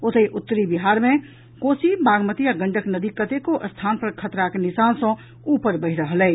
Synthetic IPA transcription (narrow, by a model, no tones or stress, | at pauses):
ot̪əjʔut̪ːəɾibiɦaɾmẽ | kosibaɡmət̪iaɡəɳɖʱəknəd̪ikət̪ekoʔəst̪ʰanpəɾkʰət̪ɾakenisansə̃ | upəɾbəɦɾəɦəlɛɪ